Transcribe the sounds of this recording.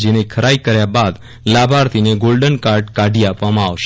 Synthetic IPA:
d͡ʒenekʰəɾaikəɾjabad̪ | labʱaɾt̪ʰineɡolɖənkaɾɖkaɖʱiapʋamãaʋʃ

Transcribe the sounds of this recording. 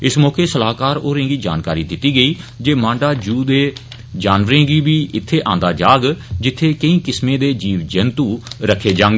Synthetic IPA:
ɪsmɔːkeːsəlaːkaːɾoːɾẽːɡiːd͡ʒa̰ːnkaːɾiːd̪ɪt̪ːiːɡəiːd͡ʒeːmãːɳɖaːd͡ʒuːd̪eː | d͡ʒaːnʋəɾẽːɡiːbiːʔɪt̪ʰːeːʔãːnd̪aːd͡ʒaːɡd͡ʒɪt̪ʰːeːkəĩːkɪsmẽːd̪eːd͡ʒiːʋd͡ʒənt̪uːɾəkʰːeːd͡ʒãːŋɡeː

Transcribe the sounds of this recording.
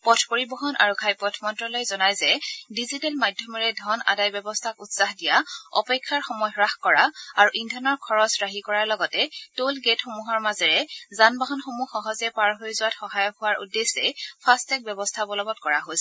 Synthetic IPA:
pɔtʰpoɹibɔɦɔnʔa̰ɹuɡʰʱajpɔtʰmɔntɹɔlojzɔnajzɛdizitɛlmadʱjɔmɔɹɛdʱɔna̰dajbɔbɔstʰakutsaɦdijaɔ̰pɛkʰːaɹxɔmɔjɔɹaxkɔɹaaɹuʔindʱɔnɔɹkʰɔɹɔsɹaɦikɔɹaɹlɔɡɔtɛtolɡetxomuɦɔɹmazɛɹɛzanbaɦɔnxomuxɔɦɔzɛpaɹɦojzʊwatxɔɦajɔhʊwaɹʔṵdesɛpʰastɛk̚bjɛbɔstʰabɔlɔbɔt̚kɔɹaɦojsɛ

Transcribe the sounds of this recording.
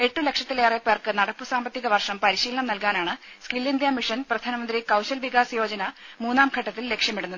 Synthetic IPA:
e̞ʈːule̞kʂɐt̪ːileːrepːerkɨnɐɽɐpːɨsaːmbɐt̪ːiɣɐʋɐrʂɐmpɐɾiɕiːlɐɳɐmnɐlkaːnaːɳɨskilːind̪jɐmiʂɐnprɐd̪ʱaːnɐmɐnd̪ɾikɐwɕɐlʋiɣaːsɐjo̞ːd͡ʑɐnɐmuːnːaːmɡʰʱɐʈːɐt̪ːilːe̞kʂjɐmiɽunːɐðɨ

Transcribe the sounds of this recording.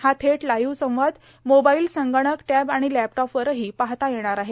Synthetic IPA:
hat̪ʰeʈlajuːsə̃w̃ʋad̪ | mobailsəŋɡəɽ̃əkʈæbaɽ̃ilæpʈɔpʋəɾəɦiːpaɦt̪ajeɽ̃aɾaɦe

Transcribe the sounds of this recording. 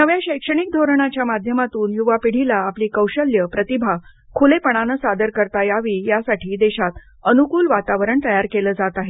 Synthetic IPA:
nəʋjaɕəjkʂəɳ̃ik̚d̪ʱoɾɳ̃at͡ɕjamad̪ʱjəmat̪uːnjuʋapiɽ̤ilaːpliːkəwɕəljəpɾət̪ibʱa | kʰulepəɳ̃anəsad̪əɾkəɾt̪ajaʋiːjasaʈʰiːd̪eɕat̪ | ənukuːlʋat̪aʋəɾəɳt̪əjaɾkeləːd͡zat̪aɦe

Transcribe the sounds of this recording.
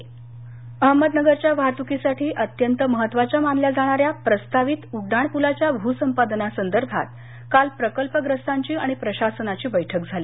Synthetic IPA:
əɦməd̪nəɡəɾt͡ɕjaʋat̪ukisaʈʰiːʔət̪jənt̪əməɦət̪ːʋat͡ɕjamanljad͡zaɽ̃aɾjapɾəst̪aʋit̪uɖaɳpulat͡ɕjabʱusəmpad̪nasənd̪əɾbʱa̰t̪̚ | kalpɾəkəlpəɡɾəst̪ʰaɲt͡ɕiːaɽ̃ipɾəɕasənat͡ɕiːbəjʈʰək̚d͡zʱaliː

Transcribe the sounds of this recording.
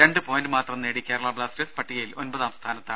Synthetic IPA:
ɾe̞ɳɖɨpoːjnɖɨmaːt̪rɐmneːɽikʲːeːɾɐɭaːbɭaːsɾespɐʈːijɐjilo̞nbɐðaːʋɐst̪ʰaːnɐt̪ːa

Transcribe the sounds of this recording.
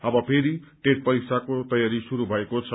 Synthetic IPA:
ʌbʌpʰeɾiʈeʈ̚pʌɾiksakot̪ʌjaɾisuɾubʱʌekot͡sʰʌ

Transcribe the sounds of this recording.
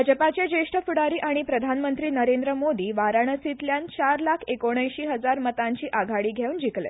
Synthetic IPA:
d͡ʑəpat͡ɕed͡ʑeʂʈʰəfuɽaɾiːʔaɽ̃ipɾəd̪ʱanmənt̪ɾiːnəɾend̪ɾəmod̪iːʋaɾaɳ̃əsit̪ljant͡ɕaɾlakʰekoɽ̃əjɕiːɦəd͡zaɾmət̪ãɲt͡ɕiːʔaɡʱaɽiːɡʱeuːnd͡ʑiklḛ

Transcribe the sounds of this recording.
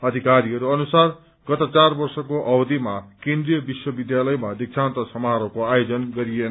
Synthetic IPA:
ʌd̪ʱikaɾiɦʌɾuʌnusar | ɡ̥ʌt̪at͡sarbʌrsʌkoʔʌbd̪imakẽnd̪rijʌbiswʌbid̪jalʌjmad̪ik̚t͡sʰant̪ʌsʌmɦaɾʌkoajod͡zʌnɡʌɾienʌ

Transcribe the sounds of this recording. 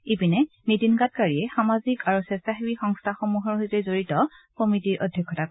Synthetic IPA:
ipinɛ | mitinkat̚kaɹiɛxamazikaɹusɛsaɦibixɔŋstʰaxomuɦɔɹɦojzezoɹitɔ | komitiɹʔodʱjɔkʰːɔtak

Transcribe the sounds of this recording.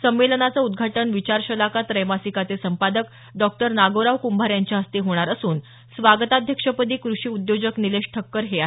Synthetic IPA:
səmːelənat͡səud̪ɡʱaʈəɳʋit͡ɕaɾɕəlakat̪ɾəjmasikat͡s̪esəmpad̪ək | ɖɔk̚ʈəɾnaɡoɾaʋkumbʱaɾjaɲt͡ɕjaɦəst̪iɦoɽ̃aɾəsuːn | sʋaɡət̪ad̪ʱjəkʂəpət̪iːkɾuʂiːud̪jod͡ʑəknileʂʈʰəkːəɾɦea

